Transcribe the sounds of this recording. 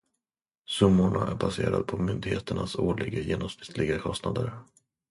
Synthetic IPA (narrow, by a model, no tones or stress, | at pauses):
sɵmːʊɳaʔæɾbaseːɾad̪pʰɔmʏnd̪ɪɡheːt̪əɳasoːɭɪɡajeːnɔmspɪ̥t̪lɪɡakʰɔst̪nad̪əɾ